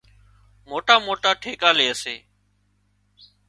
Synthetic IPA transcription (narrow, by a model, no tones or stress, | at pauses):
moːʈaːmoːʈaːʈʰeːkaːleːəsḛː